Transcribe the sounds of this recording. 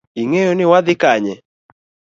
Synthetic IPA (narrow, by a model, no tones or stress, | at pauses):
iŋejonɪwad̪ɪkaɲɛ